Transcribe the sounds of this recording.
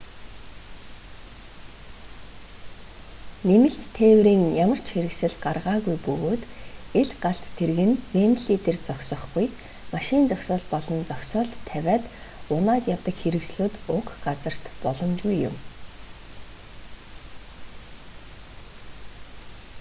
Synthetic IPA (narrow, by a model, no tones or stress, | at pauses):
nemɘ̆ɬt̪ʰːeːwriːŋjamə̆r̥t͡ɕxeɾɘ̆ksɘ̆ɮɢarʁaːɣujpɵɣoːt̪eɮɢaɬt̪ʰːerɣɘ̆nmeːmɮiːt̪ert͡sɔkʲsɞ̆χɡuj | maʃɪ̆nt͡sɔksɔːɮpɔɮɞ̆nt͡sɔkʲsɔːɮʰæwʲæːt̪ | ʊnaːt̪jawt̪ə̆kxeɾɘ̆ksɮuːt̪ʊkɢat͡sə̆r̥t̪pɔɮɞ̆mt͡ɕɣujːʊ̰m